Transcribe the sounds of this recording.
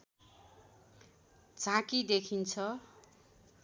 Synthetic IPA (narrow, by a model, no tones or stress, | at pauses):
d͡zãkid̪ekʰint͡sʰʌ